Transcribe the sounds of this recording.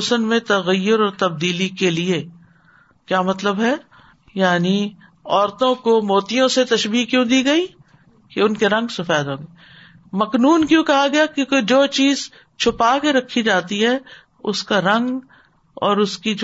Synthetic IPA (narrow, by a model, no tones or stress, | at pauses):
sənmẽt̪ɐɣəjːʊɾɔːɾt̪ɐb̚d̪iːlikelie | kjaːmɐt̪ləbɦɛ | jaːni | ɔːɾt̪õkomoːt̪ijõset̪ɐʃbiːkjũd̪iːɡɐi | keʊnkeɾɐ̃ŋɡsʊfɛːd̪ɦõːŋɡeː | mɐknuːnkjũːkɐɦaɡɐjakjũːked͡ʒoːt͡ʃiːz | t͡ʃʰʊpaːkeɾɐkʰːid͡ʒaːt̪iɦɛː | ʊskaɾɐ̃ŋɡ | ɔːɾʊskid͡ʒ